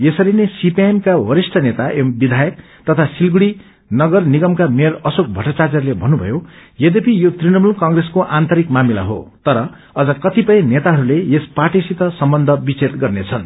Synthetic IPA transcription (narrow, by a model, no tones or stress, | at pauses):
esʌɾinesipiemkawʌɾisʈʰʌnet̪aʔembid̪ʱajʌk̚ | t̪ʌt̪ʰasilɡuɽi | nʌɡʌrniɡʌmkameɾʌsok̚bʱʌʈat͡sad͡zʌɾlebʱʌnːubʱʌ̰jojed̪epijot̪rinʌmulkʌŋɡreskoʔant̪ʌɾikmamila̰ɦo̰t̪ʌɾʌ | ʌd͡zʌkʌt̪ipʌj̃net̪aɦʌɾuleespaʈisit̪ʌsʌmbʌnd̪ʱʌbit͡setɡʌrnet͡sʰʌn